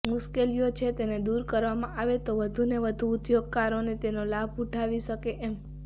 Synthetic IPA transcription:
mʊʃkelijot͡ʃʰet̪ened̪uɾkəɾʋamãʔaʋet̪oʋəd̪ʱuneʋəd̪ʱuːt̪joɡ̚kaɾonet̪enolabʱuʈʰaʋiʃəkeʔɛm

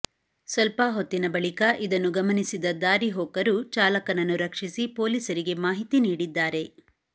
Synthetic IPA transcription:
sɐlpaɦot̪ːinɐbɐɭikɐʔid̪ɐnːuɡɐmɐnisid̪ɐd̪aːɾiɦɔːkɐɾut͡ʃaːlɐkɐnɐnːuɾɐkʂisipoːliːsɐɾiɡe̞maːɦit̪iniːɽid̪ːaːɾe̞

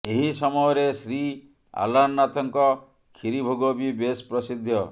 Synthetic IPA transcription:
eɦisɔmɔjɔɾesɾi | a̰lanːat̪ʰɔŋkɔ | kʰiɾibʱoɡɔbibespɾɔsid̪ʱːjɔ

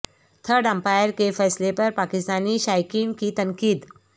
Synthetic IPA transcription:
t̪ʰəɾɖə̃mpajəɾkefɛːslepɐɾpakɪst̪aːniʃaːjkinkit̪əŋkiːd̪

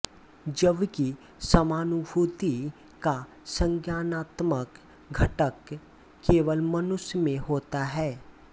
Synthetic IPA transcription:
d͡ʒəbki | sɐmaːnubʱuːt̪i | ka | sə̃ŋkjaːnaːt̪mək | ɡʱəʈəkː | eːʋəlmɐnʊʃjmẽɦoːt̪aɦɛː

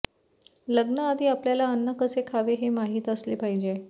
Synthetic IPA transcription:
ləɡnəːd̪ʱiːapljalaənːəkəsekʰaʋeɦemaɦiːt̪əsliːpaɦid͡ʑe

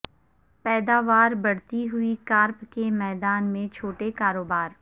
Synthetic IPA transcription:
pɛːd̪aːʋaːɾbɐɽ̤t̪iɦʊikaːɾpkemɛːd̪aːnmẽt͡ʃʰoːʈekaːɾoːbaːɾ

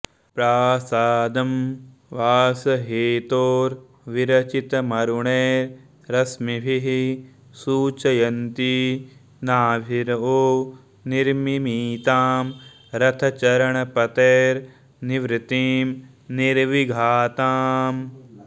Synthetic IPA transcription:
pɾaːsaːd̪ɐm | ʋaːsɐɦeːt̪oːɾ | ʋiɾɐt͡ʃit̪ɐmɐɾuɳeːɾ | ɾɐsmibʱiɦi | suːt͡ʃɐjɐnt̪i | naːʋʱiɾoː | niɾmimiːt̪aːm | ɾɐt̪ʰɐt͡ʃɐɾɐɳɐpɐt̪eːɾ | niʋɾɪt̪iːm | niɾʋiɡʱaːt̪aːm

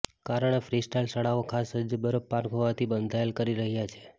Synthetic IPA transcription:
kaɾəɳefɾisʈajlsaɽaokʰasəd͡ʒəbəɾəpːaɾkɦoʋat̪ʰibənd̪ʱaelkəɾiɾəɦjat͡ʃʰe

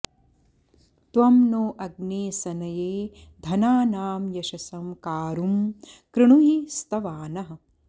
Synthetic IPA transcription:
t̪ʋɐmnoːʔɐɡneːsɐnɐjeːd̪ʱɐnaːnaːmjɐʃɐsɐmkaːɾumkɾɪɳ̃uɦist̪ɐʋaːnɐɦɐ̆

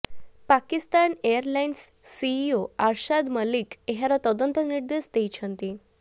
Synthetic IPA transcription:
pakist̪anejəɾlainsː | iːoaɾɕad̪məlikeɦaɾat̪ɔd̪ənt̪əniɾd̪est̪ejt͡ɕʰənt̪i

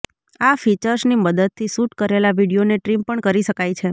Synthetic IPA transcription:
afit͡ʃəɾsniməd̪əd̪̚t̪ʰːisuʈkəɾelaʋiɽijoneʈɾimpəɳkəɾiʃəkajt͡ʃʰe

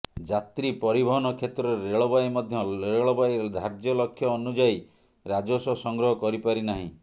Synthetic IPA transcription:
d͡ʒat̪ɾipɔɾibʱɔɦɔnɔkʰet̪ɾɔɾɾeɭɔbajmɔd̪ʱjɔeɭɔbajɾed̪ʱaɾd͡ʒjɔlɔkʰjɔːnud͡ʒai | ɾad͡ʒosɔsɔŋɡɾɔɦɔkɔɾipaɾinaɦḭ̃

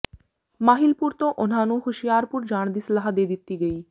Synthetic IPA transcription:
maɦilpuɾt̪oʔon̤anoɦuʃijaɾpuɾd͡ʑaɽ̃d̪islaɦad̪ed̪it̪ːiɡej

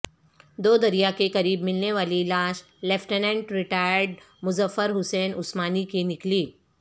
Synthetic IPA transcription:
d̪oːd̪ɐɾijakekɐɾiːbmɪlneʋaːlilaːʃ | lɛfʈənɛ̃ɳʈɾɪʈaːjəɾɖ | mʊzəfːəɾɦʊseːnʊsmaːnikenɪkliː

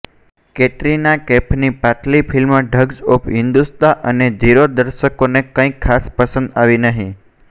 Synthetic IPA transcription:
keʈɾinakɛpʰnipaʈlipʰilməɖʱəɡzopɦɪnd̪ust̪aʔəned͡ʒiɾod̪əɾʃəkonekə̃ĩkʰːaspəsə̃nd̪aʋinəɦĩ

